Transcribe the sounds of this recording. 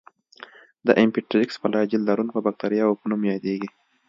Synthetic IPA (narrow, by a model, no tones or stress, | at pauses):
d̪ə̰ʔɪmpiʈɾɪkspalɑd͡ʒɪld̪aɾunpəbak̚t̪aɾjɑopənumjɑd̪eɡi